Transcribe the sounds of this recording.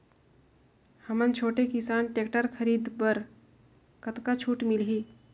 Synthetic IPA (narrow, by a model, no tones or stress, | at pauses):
həmənt͡ʃʰoːʈekisanʈekʈəɾkʰəɾiːd̪bəɾ | kət̪kat͡ʃʰuːʈmilɦiː